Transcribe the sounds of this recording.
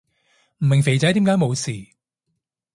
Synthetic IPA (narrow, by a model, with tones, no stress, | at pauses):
m̩˨˩mɪ˨ŋfe˨jt͡sɐ˨˥t̪iː˨˥mkaː˨˥jmo˨˧wsiː˨˩